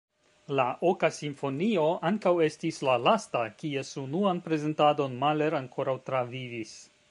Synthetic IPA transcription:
laʔokasimfo̞nio̞ʔaŋkawe̞stislalastakie̞sunuanpɾe̞ze̞ntado̞nmale̞ɾaŋkʰo̞ɾawtɾavivis

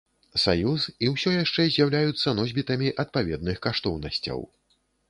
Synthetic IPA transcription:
sa̰jusiwsʲɔjaʂt͡ʂɛzʲjawlʲajut̪sːɐnɔzʲbʲit̪ɐmʲiʔɐt̪̚pavʲɛd̪̚nɨxkaʂt̪ɔwnɐsʲt͡sʲɐ̰w

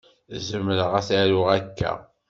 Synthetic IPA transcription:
zəmːləʁæθæɾʊʁækːæ̰

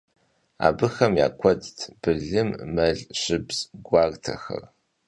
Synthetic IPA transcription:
a̰ːbɨxɐmja̰ːkʷʰɔdtʰb̥ɨɮɨmːɐɮɕɪbz̥ɡʷaːrtʰɐxɐ̰r

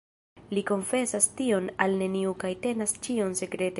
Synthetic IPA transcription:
liko̞nfe̞sastio̞nalne̞niukajte̞nast͡ʃio̞nse̞kɾe̞te

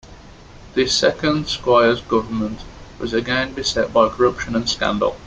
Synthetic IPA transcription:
ðəsɛkə̃nd̥skwaɪəzɡʊvəmə̃nʔwɒzəɡɛ̃nbɪsɛʔ̚b̥aɪkʰəɹʌpʃə̃nə̃nskã̰ndə̰lˠ

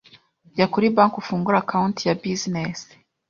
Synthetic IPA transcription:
jakuɾibaːŋkufuːŋɡuɾakauntijabizines

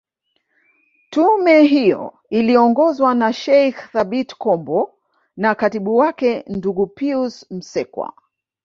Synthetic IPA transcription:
tumɛɦijɔ̰ | iliɔŋɡɔzwanaʃɛjxθaɓitkɔmbɔ | nakatiɓuwakɛnduɡupiusm̩sɛkwa̰

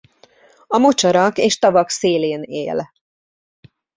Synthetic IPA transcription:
ɒmot͡ʃɒɾɒkeːʃt̪ɒvɒkseːleːnḛːl

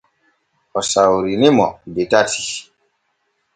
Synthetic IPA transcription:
ɔsawɾinimɔ̰detatʰi̥

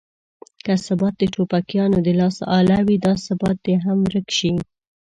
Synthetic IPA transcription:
kasabɑt̪̚d̪əʈopakjɑnod̪əlɑsɑ̰lawid̪ɑsabɑt̪̚d̪eɦamɾəkʃi

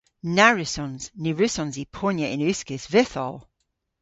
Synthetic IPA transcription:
naɹɪsɔnz̥nɪɹʉsɔ̃nzipʰonjəʔɪ̃nʉskɪsvɪθɔlˠ

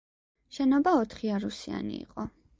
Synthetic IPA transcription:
ʃɛnɔbaɔt̪ʰχiaɾusia̰nḭḭqʼɔ

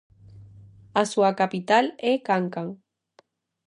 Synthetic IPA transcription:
asuakapit̪alekaŋkaŋ

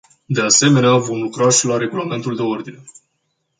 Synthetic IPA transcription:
d̪e̞ase̞me̞neavo̞mlukɾaʃilaɾe̞ɡulame̞nt̪uld̪e̞o̞rd̪ine̞

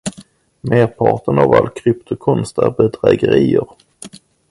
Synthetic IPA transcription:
meːɾpʰɑʈənavalːkʰɾʏpt̪ʊkʰɔnst̪æɾbəd̪ɾɛːɡəɾiːəɾ

